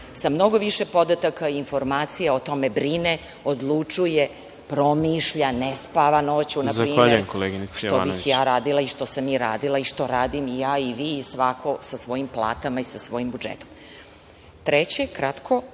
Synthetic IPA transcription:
samno̞ɡo̞ʋiʃepo̞d̪at̪akaiinfo̞ɾmaːt̪sijaot̪o̞me̞bɾine | o̞d̪lˠut͡ʂuje | pɾo̞miʃʎanespaʋano̞t͡ɕunazpɾiːaʎeujemkoleːɡinisʂt̪oa̰bixjaːɾaːd̪ilˠaiʃt̪o̞samiɾaːd̪ilˠaiʃt̪o̞ɾaːd̪imijaːiʋiːsʋakʰo̞sasʋo̞jimplˠa̰ːt̪amaisasʋo̞jimbud͡ʒḛt̪o̥m | t̪ɾet͡ɕekɾat̪kʰo̞

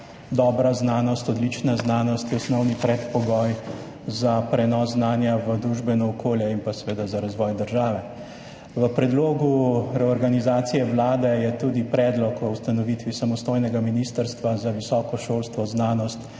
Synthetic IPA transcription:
d̪ɔːbɾaznaːnɔst̪ɔd̪lit͡ʃnaznaːnɔst̪jɔsnɔwnipɾɛt̪pɔɡɔj | zapɾɛnɔːsznaːnjaʋəd̪ɾuʒbɛnɔːkʰoːljɛimpasɛʋeːd̪azaɾazʋɔːjd̪əɾʒaːʋɛ | ʋəpɾɛd̪loːɡuɾɛɔɾɡanizaːt̪sijɛʋlaːd̪ɛjɛt̪uːd̪ipɾɛːd̪lɔkɔwst̪anɔʋit̪ʋisamɔst̪oːjnɛɡaminist̪əɾst̪ʋazaʋisɔːkɔʃolst̪ʋɔznaːnɔst̪

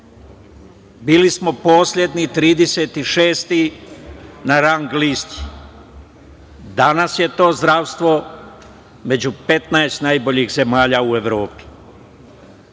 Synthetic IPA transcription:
biːlismo̞po̞ːsʎʲe̞d̪nit̪ɾiːd̪ese̞t̪iʃeːst̪i | naɾaŋɡlist̪i̥ | d̪anasje̞t̪o̞ːzd̪ɾaːʋst̪ʋo̞ | me̞d͡ʑupe̞t̪naest̪najbo̞ʎiɣze̞maːʎaue̞ʋɾo̞ːpi̥

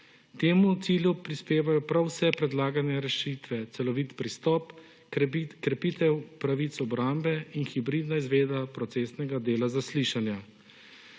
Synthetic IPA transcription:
t̪eːmut̪siːlʲjupɾispeːʋajɔpɾawsɛpɾɛd̪laːɡanɛɾɛʃit̪ʋɛt̪sɛlɔʋit̪pɾist̪ɔːp | kɾɛpit̪ɛwpɾaʋit̪sɔbɾambɛinxibɾiːd̪naizʋeːd̪apɾɔt̪seːsnɛɡad̪eːlazasliʃanja

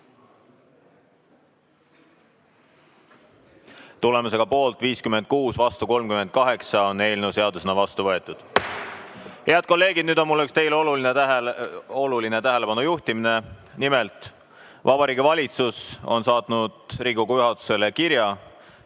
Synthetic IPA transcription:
t̪ule̞muse̞ɡ̥ɑpo̞ːlt̪ːˑviːskyme̞nd̪̚kuːsvɑst̪uko̞lmkymed̪̚kɑɦe̞ksɑo̞ne̞ːlnewse̞ɑd̪usenɑvɑst̪uvɤe̞t̪ːˑud̪̥ | he̞ɑd̪̥̚ko̞lːe̞ːɡ̥id̪nyːd̪o̞nmulːykst̪e̞jlo̞luline | olulinet̪æɦele̞pɑnujuht̪imine̞nimelt̪ˑ | vɑbɑɾiːɡ̥ivɑlʲit̪suso̞̰nsɑːt̪nud̪̥riːɡoɡujyɦɑt̪ːˑu̥se̞lekiɾjɑ

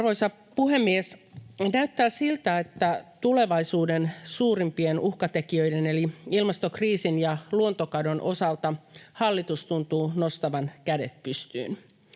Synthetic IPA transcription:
rʋojsɑ | puɦe̞mːiesnæyt̪ːæːsilt̪æet̪ːæt̪ule̞ʋɑisuːdensuːrimpienuhkɑt̪ekiø̞ideneliilmɑst̪okriːsinjɑluont̪okɑdonʔo̞sɑlt̪ɑhɑlːit̪ust̪unt̪uːnost̪ɑʋɑnkæde̞̰t̪̚pyst̪y̰ːn

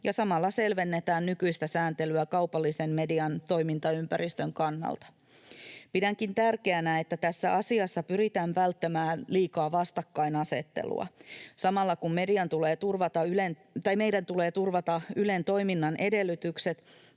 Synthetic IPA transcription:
jɑsɑmɑlːɑse̞lʋe̞nːet̪æːnnykyjst̪æsæːnt̪e̞lyækɑuwpɑlːise̞mme̞diɑnt̪o̞jmint̪ɑympæɾʔist̪ø̞ŋkɑnːɑ̰lt̪ɑ̥ | pidæŋkint̪ærkeænæet̪ːæt̪æsːæʔɑsiɑsːɑpyɾit̪æːɱʋælt̪ːemæːnliːkɑːʋɑst̪ɑkːɑinɑse̞̰t̪ːe̞̰lṵɑ̰sɑmɑlːɑkumme̞diɑnt̪ule̞ːt̪urʋɑt̪ɑylen | t̪ɑjmejdænt̪ule̞ːt̪urʋɑt̪ɑyle̞nt̪o̞jminːɑnʔe̞de̞lːyt̪ykse̞t̪

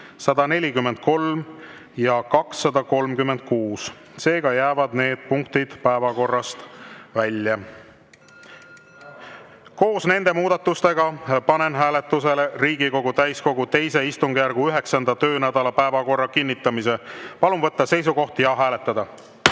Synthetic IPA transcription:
sɑd̪̥ɑne̞lʲikymːend̪̥̚ko̞lm | jɑkɑksːɑd̪ɑko̞lmkymːe̞nd̪̥̚kuːs | se̞ːɡ̥ɑjæːvɑd̪ne̞ːd̪̥̚puŋkt̪id̪̥pæevɑko̞rːɑst̪vælʲjɑ | ko̞ːsne̞nd̪e̞muːd̪̥ɑt̪ːˑust̪e̞ɡ̥ɑpɑne̞nɦæːle̞t̪ːˑuse̞leriːɡiko̞ɡ̥ut̪æjsko̞ɡut̪e̞jse̞ist̪uŋɡ̥jærɡ̥uyɦe̞ksɑnd̪̥ɑt̪ø̞ːnæd̪̥ɑlɑpæevɑko̞rːɑkinʲːit̪ːˑɑmise̞pɑlunvɤt̪ːɑse̞jsuɡo̞ht̪jɑɦæːle̞t̪ːˑɑd̪ɑ

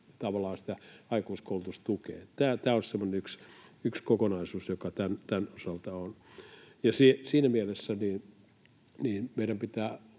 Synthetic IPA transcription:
t̪ɑʋɑlɑːnsi̥t̪æɑikuiskoulut̪ust̪ukḛːt̪æːt̪æːossemːoneyksykskokonɑisuːsjokɑt̪ænt̪ænosɑlt̪ɑonjɑsisiːnæmielesːæniːn | niːnmeiɾæmpit̪æː

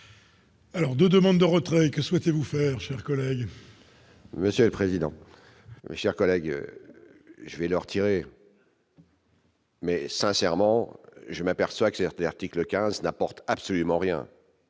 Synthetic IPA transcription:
alɔʁd̪əd̪əmɑ̃d̪d̪əʁət̪χɛkəswɛt̪evufɛːʁʃɛʁkɔlɛɡ | məsjøləpχezid̪ɑ̰̃ | mḛʃɛʁkɔlɛɡ̰ | ʒəvɛləʁt̪ʰiʁe | mɛsɛ̃sɛʁmɑ̃ʒəmapɛʁswakəsɛt̪laʁt̪ikləkʲɛ̃znapɔʁt̪apsɔlymɑ̃ʁjɛ̰̃

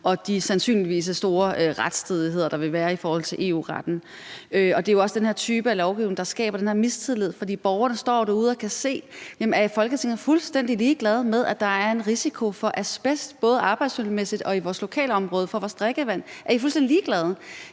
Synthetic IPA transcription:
ʔɒ̽d̥isænsy̰ːnliʋḭːsəsd̥o̝ːɐøʁad̥sd̥ʰeð̞ˠiɦe̝ð̞̰ˠɐd̥ɑ̈ʋe̝ʋæːɐifɒːhɒ̽lt͡sʰe̝lʔe̝ːṵːʁɑd̥n̩ | øɒ̽d̥e̝jo̝ɒ̽sə̥d̥enɦe̝ɐ̰t͡sʰyːb̥əælɒʊɡ̥iʊne̝ŋd̥ɑ̈sɡ̥ɛ̰ːb̥ɐdenhe̝ɐmist͡sʰiðˠlið̞̰ˠfɒ̽d̥ḭːb̥ɒʊɐnəsd̥ɒ̰ːɾ̥euð̞ˠɒkʰæse̝̰ːjemæɐfɒ̽lɡ̥ət͡sʰe̝ŋ̰ɐfulsd̥en̰d̥iliːɡ̥lɛð̞ˠmeð̞ˠæd̥ɑ̈æɐe̝nʁisikʰo̝fɒ̽ʔæɐsb̥esd̥b̥ɔ̽ːð̞ˠəɑ̈ːb̥ɑ̈ɪd̥smyl̩mesid̥ɒ̽iʋɒːslo̝kʰɛ̰ːlɒ̽mʁɔ̽ːðˠəfɒ̽ʋɒːsd̥ʁɛɡ̥əʋæn̰ʔæɐifulsd̥endiliːɡ̥lɛð̞ˠ

